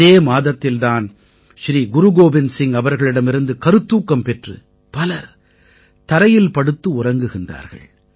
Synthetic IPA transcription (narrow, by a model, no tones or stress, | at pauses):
eːmaːðɐt̪ːɪlt̪aːn | ʃɾiːɡʊɾʊɡoːbɪnsɪŋɐʋɐɾɣɐɭɪɽɐmɪɾɯnd̪ɯkɐɾɯt̪ːuːkːɐmpɛʈrɯ̰ | pɐlɐɾ | t̪ɐɾɐjɪlpɐɽɯt̪ːɯʊrɐŋɡɯɣɪnda̰ːɾɣɐ̰ɭ